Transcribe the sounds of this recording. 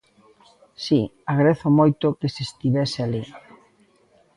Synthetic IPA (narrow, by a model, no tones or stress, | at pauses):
siaɣɾeθomojt̪okesest̪iβesɪali